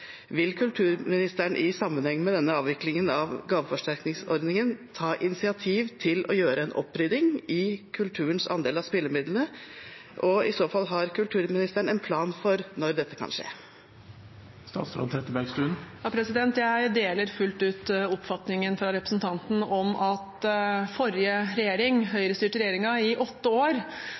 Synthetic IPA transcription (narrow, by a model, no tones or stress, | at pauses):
ʋɪlkʰʉlt̪ʰʉːɾmɪnɪst̪əɳʔɪsɑmːənhɛŋːəmɛd̪ɛnːəɑːʋɪklɪŋənɑʋɡɑːʋəfɔʂʈæɾknɪŋsɔɾd̪nɪŋənt̪ʰɑːʔɪnɪsɪɑt̪ʰiːʋt̪ʰɪlɔjøːɾəɛnʔɔ̰pːɾʏd̪ɪŋɪkʰʉlt̪ʰʉːɾənsɑ̰nd̪eːlɑspɪlːəɾmɪd̪lnə | ʔɔɪsoːfɑlːɦɑɾkʉlt̪ʰʉːɾmɪnɪst̪əɳɛnpʰlɑːnfɔɾnɔɾd̪ɛt̪ːə̥kʰɑ̰nʂḛː | st̪ɑ̰ːt̪sɾɔ̰nt̪ʰɾɛt̪ːəbæɾɡst̪ʉːnjɑːpʰɾɛsɪd̪ɛnt̪jæɪd̪eːləɾfʉlt̪ʉːt̪ɔpfɑt̪nɪŋənfɾɑɾɛpɾəsn̩t̪ʰɑnt̪n̩ɔmɑt̪fɔɾjəɾɛjeːɾɪŋɦœʏɾəst̪yːʈɾɛjeːɾɪŋɑɪʔɔt̪ːəoːɾ